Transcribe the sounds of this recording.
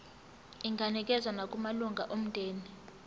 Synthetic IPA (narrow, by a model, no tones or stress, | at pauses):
iŋɡʱanik̬ʼɛzanak̬ʼumaluŋɡʱaʔom̩dʼʱeːni